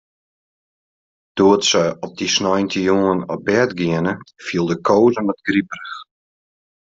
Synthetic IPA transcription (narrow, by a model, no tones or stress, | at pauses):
d̥uətsəɔp̚disnɔjntʰəjoŋənɔbɛtɡiənəfiəlˠdəkʰoːzənmɛtɡriprəx